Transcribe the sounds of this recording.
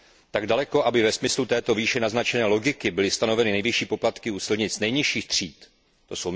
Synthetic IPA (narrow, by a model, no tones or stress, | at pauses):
t̪aɡdalɛko̞ʔabɪvɛsmɪslut̪ɛːt̪o̞viːʃɛnaznat͡ʃɛnɛːlo̞ɡɪkɪbɪlɪst̪ano̞vɛnɪnɛjvjɪʃiːpo̞plat̪kɪuːsɪlɲɪt͡snɛjɲɪʃiːxt̪r̝̥iːt̪ː | o̞sow